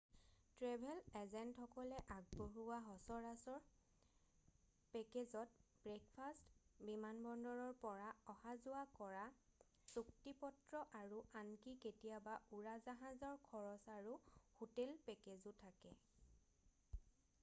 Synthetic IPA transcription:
tɹebʱɛlɛzɛntxɔkɔlɛʔaɡ̚boɹuwaɦɔsɔɹasɔɹ | pɛkezɔt̚bɹek̚pʰastbimanbɔndɔɹɔɹpɔɹaɔhazʊwakɔɹa | suktipɔtɹɔʔaɹuʔankiketijabauɹazaɦazɔɹkʰɔɹɔsaɹuhotelpɛkezʊtʰakɛ

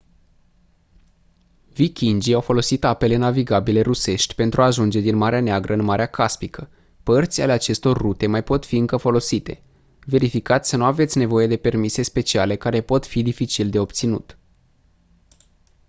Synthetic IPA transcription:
vikʲind͡ʒiawfo̞lo̞sit̪ape̞lenaviɡabile̞ɾuse̞ʃt̪ʲpe̞nt̪ɾʔuaːʒund͡ʒe̞d̪inmaɾeaneaɡɾʔəɨnmaɾeakʰaspikə | pərt̪sʲa̰le̞at͡ʃe̞st̪o̞rːut̪e̞majpo̞t̪fiɨŋkəfo̞lo̞sit̪e̞̰ | ve̞ɾifikat̪sʲsənuave̞t̪sʲne̞vo̞je̞d̪e̞pe̞rmise̞spe̞t͡ʃia̰le̞kaɾe̞po̞t̪fid̪ifit͡ʃild̪e̞o̞p̚t̪sinṵt̪

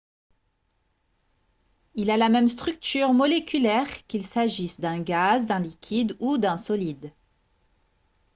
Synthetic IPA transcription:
ilalamɛmst̪χyk̚t̪yʁmɔlekʲylɛʁkʲilsaʒisd̪ɛ̃ɡazd̪ɛ̃likʲʰid̪ud̪ɛ̃sɔlid̪

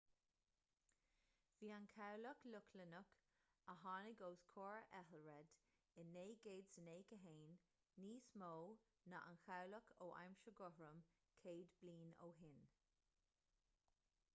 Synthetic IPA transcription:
v̥iːankʰawləklʊkʰlənək | əɦɑːnɪɡoːskʰoːɹʔɛɦəlɹɛd̪̥ | ɪnːeːɡeːdsəneːkəɦeːnː | iːsmoː | naʔanxawləkʰoːʔa̰jmʃəɡʊhɹəm | kʰeːd̪bliːno̰ːɦɪn

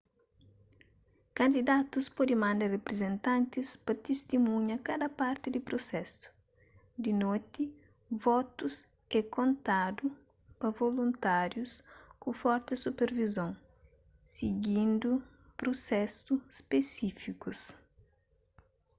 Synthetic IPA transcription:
kɐ̃nd̪id̪at̪uspɔd̪ɪmãnd̪ɐrepɾezẽnt̪ãnt̪ɪspɐt̪est̪imũɲɐkad̪ɐpaɾt̪ɪd̪ɪpɾosɛsʊ̥ | d̪ɪnot̪ɪ | vɔt̪us | ɛkõnt̪ad̪u | pɐvolũnt̪aɾjuskufɔɾt̪ɪsupeɾvizõŋ | siɡĩnd̪u | pɾosɛsuspesifikus

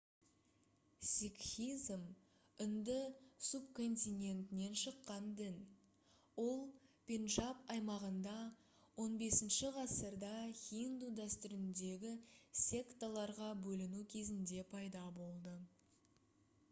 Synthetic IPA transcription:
sʲikxʲizm | ʏnd̪əsup̚kʰo̞nt̪ʲijne̞nt̪ɪne̞nʃəqːɑnd̪ɪn | wo̞lˠpʲe̞nʒɑpɑjmɑʁənd̪ɑ | wo̞nbe̞sɪnʃɪʁɑsəɾd̪ɑχʲind̪ud̪æst̪ʏɾɪnd̪e̞ɡʲɪsʲe̞kt̪alˠɑɾʁɑbɵlɪnukʲʰe̞zɪnd̪e̞pʰɑjd̪ɑbo̞lˠd̪ə

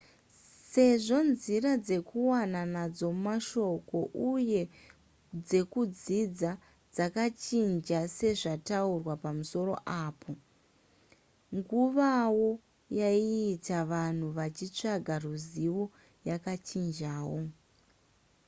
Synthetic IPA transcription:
se̞ʐo̞nzirad͡ze̞kuwananad͡zo̞maʃo̞ko̞ʔuje̞ | d͡ze̞kud͡zid͡za | d͡zakat͡ʃind͡ʒase̞ʐataurwapamuso̞ɾo̞̰ʔaːpʰo̞ | ŋɡuʋawo̞ | jaiːtaʋan̤uʋat͡ʃit͡ʂaɡʱaruziwo | jakat͡ʃind͡ʒaːwo̞

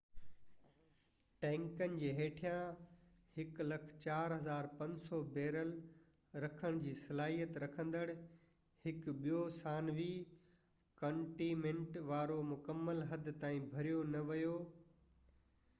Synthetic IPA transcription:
ʈɛ̃ːŋkənɪ̆d͡ʑeːɦeːʈʰijãhɪklɐkʰt͡ɕaːɾɦɐzaːɾpɐ̃ɲd͡ʑsɔːbeːɾəlɾɐkʰəɽ̃d͡ʑiːsɐlaːɦijət̪ɾɐkʰə̃nd̪əɽ | hɪkɓijosaːnʋiː | kɐ̃ɳʈimẽɳʈʋaːɾomʊkəmːəlɦɐd̪ʱt̪aːĩbʱɐɾijonɐʋɐjoː

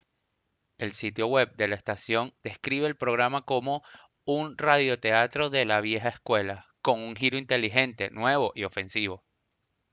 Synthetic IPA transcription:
e̞lsit̪jo̞we̞b̚d̪e̞laest̪asjo̞nd̪̥e̞skɾiβe̞ːlpɾo̞ɣ̞ɾamako̞mo̞ | unraðjo̞t̪e̞at̪ɾo̞ðe̞laβje̞xaeskwe̞lako̞ŋuŋxiɾoint̪e̞liɦe̞nt̪e̞nwe̞βo̞ʔio̞fe̞nsiβ̞o̞

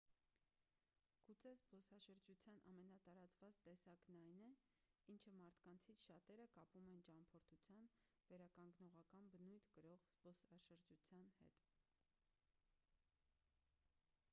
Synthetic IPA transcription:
ɡ̥ut͡sʰɛzpɔsɑʃəɾd͡ʒut͡sʰjɑnʔɑ̰mɛnɑt̪ɑɾɑt͡svɑt͡st̪ɛsɑknɑjnɛ | int͡ʃʰəmɑɾt̪ʰkɑnt͡sʰit͡sʰʃɑt̪ɛɾəkɑpumɛnt͡ʃɑmpʰɔɾt̪ʰut͡sʰjɑn | vɛɾɑkɑŋɡnɔʁɑkɑnbənujt̪ʰkəɾɔʁz̥pɔsɑʃəɾd͡ʒut͡sʰjɑnhɛ̰t̪

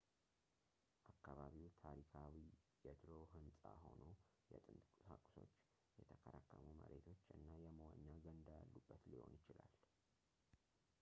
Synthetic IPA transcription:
ʔakːaβaβiwt̪ʰaɾikʰawijɛd̪ɾo̞ɦɨnsʼaho̞nojɛt̪ʼɨnt̪ʼkʼakʼso̞t͡ʃː | jɛt̪ʰəkʰəɾakːəmuməɾʔe̞t̪ʰo̞t͡ʃːɨnːajɛməwaɲːaɡənd̪ajalːubːət̪liho̞̰njɪt͡ʃɪlal

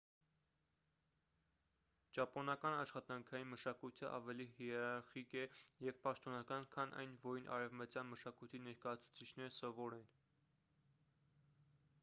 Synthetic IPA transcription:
d͡ʒɑpɔnɑkɑnɑʃχɑt̪ɑŋkʰɑjinməʃɑkujt̪ʰəʔɑ̰vɛlihɛɾɑɾχikɛjɛvpɑʃt̪ɔnɑkɑnkʰɑnʔɑ̰jnvɔinʔɑ̰ɾɛvmət͡sjɑnməʃɑkujt̪ʰinɛɾkɑjɑt͡sʰu̥t͡sʰit͡ʃʰnɛɾəsɔvɔɾɛn

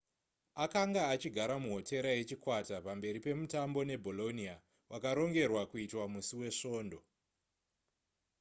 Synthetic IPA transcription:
akaŋɡaːt͡ʃiɡʱaɾamuɦo̞te̞ɾaje̞t͡ʃikwatapambe̞ɾipe̞mutambo̞ne̞bʱo̞lo̞nia | wʔakaɾo̞ŋɡe̞rwakuitwamusiwe̞ʂo̞ːndo̞

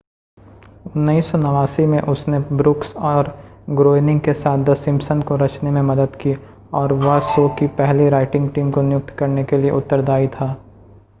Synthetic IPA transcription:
ʊnːiːsɔnɐʋaːsimẽʔʊsnebɾʊksɔːɾɡɾoːɪnɪ̃ŋɡkesaːt̪̚ʰd̪ɐsɪ̃msənkoɾɐt͡ʃnemẽmɐd̪əd̪ki | ɔːɾʋɐsoːkipɛɦliɾaːɪʈɪ̃ŋɡʈiːmkonɪjʊk̚t̪kɐɾnekelieʔʊt̪ːəɾd̪aːit̪ʰaː

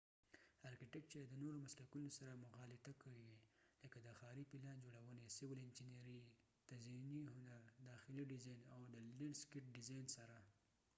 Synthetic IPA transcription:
ɑɾkɪʈɪk̚t͡ʃed̪ənoɾomaslakunosaɾamʊxɑlɪt̪akawiwiləkad̪əxɑɾipilɑnd͡ʒoɽawənesɪwɪlɪnd͡ʒineɾi | t̪aziniɦʊnaɾd̪ɑxɪliɖɪzɑjnawd̪əlɪɳskɪʈ̚ɖɪzɑjnsaɾa

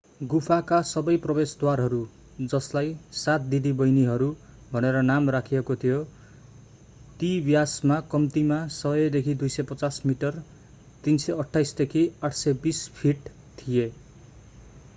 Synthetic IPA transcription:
ɡupʰakasʌbʌjprʌbest̪warɦʌɾu | d͡zʌslajsat̪̚d̪id̪ibʌjniɦʌɾu | bʱʌneɾʌnamrakʰijekot̪ʰijo | t̪ibjasmakʌmt̪imasʌjʌd̪ekʰid̪ujsʌjpʌt͡sasmiʈʌr | t̪insʌjʌʈʰːajsd̪ekʰiaʈʰsʌbispʰiʈ | t̪ʰije

